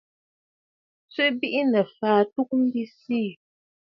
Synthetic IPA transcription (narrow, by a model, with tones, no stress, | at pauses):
t͡sɥe˦bi˦ʔi˦nɛ˨faː˨tu˦k̚m̩˦bi˦siː˦˨